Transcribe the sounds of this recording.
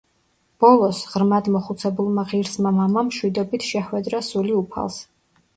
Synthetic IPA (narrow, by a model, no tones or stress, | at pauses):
b̥ɔlˠɔsʁɾmad̪mɔχut̪sʰɛbulˠmaʁiɾsmamamamʃwid̪ɔbit̪ʰʃɛχwɛd̪ɾasuliupʰa̰lˠs